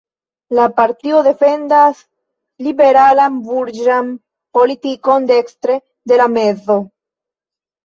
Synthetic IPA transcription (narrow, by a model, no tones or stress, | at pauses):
lapaɾtio̞de̞fe̞ndas | libe̞ɾalanbuɾd͡ʒan | po̞litiko̞nde̞kst̪ɾe̞ | d̪e̞lame̞zo̞